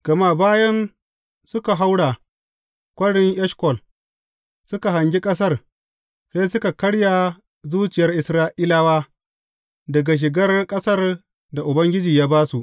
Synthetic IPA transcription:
ɡ̥ɐ˨ma˦˨baː˦jɐ˦n | sʊ˦ka˨ɦa˦wɽa˨ | kʷʼɐ˦ɽɪ˦ŋʔɛ˦ʃkʷɔ˨l | sʊ˦ka˨ɦa˨ŋɡʲi˦kʼɐ˦s̬ɐ˦r | sa˦sʊ˦ka˨kɐ˦ɽja˨ | zuː˦t͡ʃɪ˨jɐ˦rʔɪ˨sɾaː˦ʔiː˦la˦waː˦ | dɐ˨ɡa˨ʃ̬ɪ˨ɡɐ˦rkʼɐ˦sɐ˦r | da˨ʔʊ˨bɐ˦ŋɡʲɪ˦d͡ʒiː˨jaː˦baː˦su˨ʔ

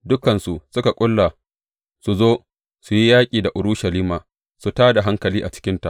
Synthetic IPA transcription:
dʊ˦kɐ˨nsu˨ʔsʊ˦ka˨kʷʼʊ˦lːa˨ | su˨zoː˦ | su˨ji˦jaː˦kʲʼiː˨da˨ʔʊ˨ɾʊ˦ʃɐ˨liː˦maː˨ | su˨taː˦da˨ɦa˦ŋkɐ˨liː˦ʔa˨t͡ʃɪ̥˦kʲɪ˦nta˨ʔ

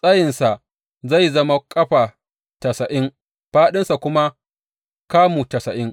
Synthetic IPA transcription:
sʼɐ˦jɪ˨nsa˨ʔ | za˦˨jzɐ˦ma˦kʼɐ˦ɸa˨ | tɐ˨sɐ˨ʔɪ˦ŋ | ɸaː˦ɗɪ˦nsa˨kʷʊ˦ma˦ | kaː˦mu˨tɐ˨sɐ˨ʔɪ˦ŋ

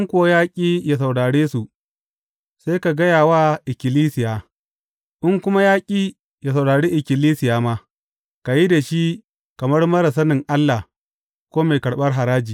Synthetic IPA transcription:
ʔɪ˦ŋkʷʊ˦wa˦jaː˦kʲʼiː˦ja˨s̬a˨wɽaː˨ɽeː˦su˨ | se˦jka˨ɡɐ˦jaː˨waː˦ʔɪ˨kʲɪ˨liː˦sɪ˨jaː˨ | ʔɪ˦ŋkʷʊ˦ma˦jaː˦kʲʼiː˨ | ja˨s̬a˨wɽaː˨ɽeː˦ʔɪ˨kʲɪ˨liː˦sɪ˨jaː˨maː˦ | ka˨ji˦da˨ʃi˦ | kɐ˨mɐ˦rmɐ˦ɾɐ˨s̬ɐ˦nɪ˨ŋʔa˦lːa˨ | kʷoː˦ma˨kɐ˨ɽɓɐ˦rɦa˨ɾaː˦d͡ʒiː˨

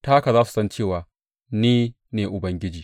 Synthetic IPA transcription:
taː˦ka˨zaː˦su̥˨sɐ˦nt͡ʃeː˦˨waː˨ | niː˦ | neː˨ʔʊ˨bɐ˦ŋɡʲɪ˦d͡ʒiː˨

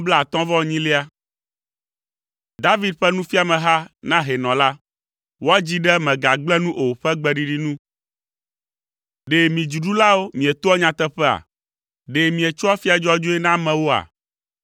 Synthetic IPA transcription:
bla˦˨a˨t̪ɔ̃˦vɔ˦˨ɲĩ˦le˦a˦ | d̪a˦vi˦d̪̚ɸɛ˦nũ˦fi˦a˨mɛ̃˨ɦa˦nã˦ɦe˨nɔ̃˨la˦ | wo˦a˦d͡ʑi˦ɖɛ˦mɛ̃˨ɡa˨ɡ͡blɛ˦nũ˦ʔo˨ɸɛ˦ɡ͡bɛ˨ɖi˨ɖi˦nũ˦ | ɖe˨mĩ˨d͡ʒu˨ɖu˦la˦wo˦mĩ˨e˨t̪o˦ɔ˦ɲã˨t̪ɛ˦ɸɛ˦a̰˨ | ɖe˨mĩ˨e˨t͡ʃo˦a˦fi˦a˨d͡ʒɔ˦d͡ʒo˦ɛ˦nã˦mɛ̃˨wo˦a̰˨

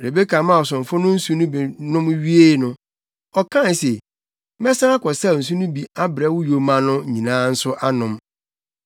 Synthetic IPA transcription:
ɾe˨be˦kʰa˨mã˦˨ɔ˨s̬ʊ̃˨ɱ˨fʊ˦nʊ̃˦n̩˦su˦nʊ̃˦bi˨nʊ̃˦mɥi˦e˦˨˦nʊ̃˦ | ɔ˨kʰã˦n˨se˨˦ | mɛ˦sã˦a˦kɔ˨sa˦˨n̩˨s̬u˦nʊ̃˦bi˨a˦bɾɛ˦wʊ˦jo˨mã˨nʊ̃˦ɲĩ˨nãː˨˦n̩˦sʊ˦ʔa˦nʊ̃˨m

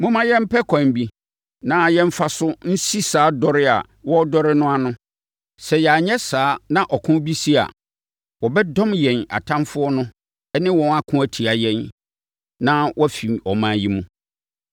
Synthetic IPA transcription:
mʊ̃˦mã˦jɛ̃˦m̩˦pʰɛ˦kʷʰã˨m˨bi˦ | nã˦jɛ̃˦m̩˦fa˦sʊ˦n̩˦si˦saː˨˦dɔ˦ɾɪ˦a̰˨ | wɔ˦dɔ˦ɾɪ˦nʊ̃˦a˨nʊ̃˦ | sɛ˨jɛ˨a˨ɲɛ˦saː˨˦nã˦ʔɔ˨kʰʊ̃˦bi˦si˦a̰˨ | wɔ˨bɛ˦dɔ̃˦mjɛ̃˨na̰˨tʰã˦mfʊ˦ɔ˦nʊ̃˦ | ɛ˦nɪ̃˦wɔ̃˨˦na˦kʰʊ̃˦æ˨tʰi˨a˨jɛ̃˦n | nã˦wʔɔ˦fi˨mɔ˨mãː˨ji˦mũ˦˨

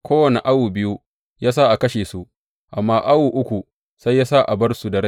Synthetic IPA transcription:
kʷoː˦wɐ˨ne˨ʔa˦wuː˨bɪ˦ju˦ | jaː˦saː˦ʔa˨kɐ˦ʃeː˨su˦ | ʔa˨mːaː˦ʔa˦wuː˨ʔʊ˦kʷu˨ | sa˦jːaː˦sa˦ʔa˨bɐ˦rsu˨dɐ˨ɽɐ˦

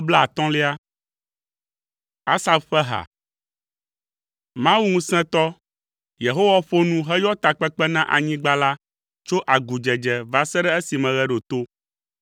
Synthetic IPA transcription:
bla˦a˨t̪ɔ̃˦le˦a˦ | a˦sa˨bɸɛ˦ɦa̰˨ | mã˦wu˦ŋũ˦sɛ̃˦t̪ɔ˦ | je˨ɦo˦wa˦ɸo˦nũ˦ɦɛ˦jɔ˦t̪a˨k͡pɛ˦k͡pɛ˦nã˦ʔa̰˨ɲĩ˦ɡ͡ba˦la˦ | t͡ʃo˦ʔa˨ɡu˨d͡ʒɛ˨d͡ʒɛ˨va˨sɛ˦ɖɛ˦e˦si˨mɛ̃˨ɣɛ˦ɖo˨t̪o˦

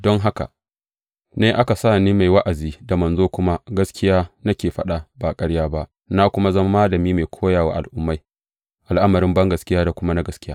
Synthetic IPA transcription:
dɔ˦ŋɦa˦ka̰˨ | neː˦ʔa˦ka˨saː˦˨niː˦ma˨jwa˦ʔa˨ziː˦da˨mɐ˨nzoː˦kʷʊ˦ma˦ɡɐ˦skʲɪ˦jaː˦na˦kʲeː˨ɸɐ˦ɗa˦baː˨kʼɐ˦ɽjaː˦ba˦ʔ | na˦kʷʊ˦ma˦zɐ˦ma˦maː˦lɐ˨miː˦ma˨jkʷʰoː˦jaː˨wa̰ː˨ʔa̰˨lʔʊ˦mːa˦j | ʔa˨lʔa˦mɐ˨ɾɪ˦mbɐ˦ŋɡɐ˨skʲɪ˦jaː˦da˨kʷʊ˦ma˦na˦ɡɐ˨skʲɪ˦jaː˦

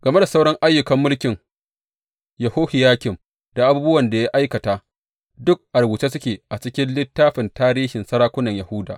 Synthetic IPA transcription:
ɡ̥ɐ˨me˦da˨sa˦wɽɔ˦ŋʔa˦jːʊ˨kɐ˦mːʊ˦lkʲɪ˨ŋ | jɐ˨hoː˦hi˨jaː˦kʲɪ˨m | d̥a˨ʔa˨˦buː˦bʊ˦wɐ˨nda˨ja˦ʔa˦jkɐ˨taː˨ | dʊ˦k̚ʔa˨rwʊ˨t͡ʃeː˦s̬ʊ˦kʲeː˨ʔa˨t͡ʃɪ˦kʲɪ˦nlɪ˦tːaː˦ɸɪ˨ntaː˦ɾiː˦ʃɪ˨nsɐ˦ɽaː˦kʷʊ˦nɐ˨ɲja˨hʊ˦da̰ː˨ʔ

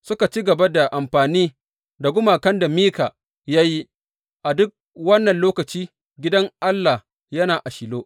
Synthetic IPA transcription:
sʊ˦ka˨t͡ʃi˦ɡɐ˨ba˦da˨ʔa˨mɸaː˨niː˦ | da˨ɡʷʊ˦maː˨kɐ˦nda˨miː˦kaː˨ | jaː˦ji˦ | ʔa˨dʊ˦k̚ | wɐ˦nːɐ˨nloː˦kɐ˨t͡ʃiː˦ | ɡʲɪ˦dɐ˦ŋʔa˦lːa˨h | jɐ˦naː˨ʔa˨ʃɪ˨loː˦

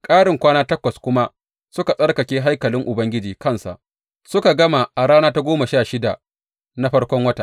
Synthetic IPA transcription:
kʼaː˦ɽɪ˨ŋkʷaː˦naː˦tɐ˦kʷɐ˨skʷʊ˦ma˦ | sʊ˦ka˨sʼɐ˦rkɐ˨kʲeː˦ɦa˦jkɐ˨lɪ˦ŋʔʊ˨bɐ˦ŋɡʲɪ˦d͡ʒiː˨kɐ˦˨nsa̰˨ʔ | sʊ˦ka˨ɡɐ˦ma˨ʔa˨ɽaː˦naː˦ta˦ɡʷoː˦ma˨ʃaː˦˨ʃɪ˦da˨ | na˦ɸɐ˦ɽkʷɔ˦ŋwɐ˦ta˨ʔ

